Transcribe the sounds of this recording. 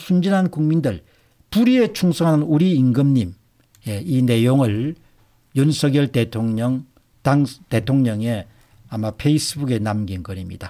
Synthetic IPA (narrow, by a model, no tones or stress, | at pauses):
sʰund͡ʑinɦankuŋmindɯɭ | puɾiet͡ɕʰuŋsʰʌŋɦanɯnuɾiːŋɡɯmɲim | je̞ine̞joŋɯɭ | jʌnsʰʌɡjʌɭtetʰoŋɲʌŋ | taŋte̞tʰoŋɲʌŋe | amapʰe̞is͈ɯbuɡe̞namɡinɡʌɾimɲḭd̥a